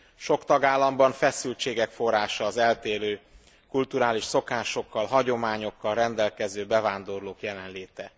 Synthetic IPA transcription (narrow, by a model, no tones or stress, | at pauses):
ʃo̞kt̪ɒɡaːlːɒmbɒɱfɛsylt͡ʃeːɡɛkfo̞rːaːʃɒːzɛlt̪eːløː | kult̪uɾaːliʃso̞kaːʃo̞kːɒlɦɒɟo̞maːɲo̞kːɒlrɛnd̪ɛlkɛzøːbɛvaːnd̪o̞rloːkjɛlɛnleːt̪ɛ